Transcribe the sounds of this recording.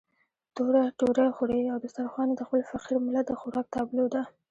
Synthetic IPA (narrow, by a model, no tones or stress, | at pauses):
t̪oɾaʈoɾaxuɽeawbɪst̪aɾxwɑnad̪əxpəlfaqiɾmɪlad̪əxʊɾɑk̚t̪ʰaablod̪a